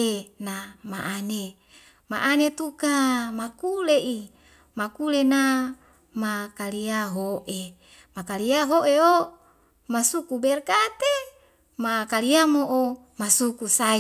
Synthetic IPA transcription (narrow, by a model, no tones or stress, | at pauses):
enamaʔane | ma̰ʔanet̪ukamakuleʔi | makulena | makaliaɦoʔe | makaliaɦoʔeo | masukubɛrkat̪e | makaliamoʔo | masukusa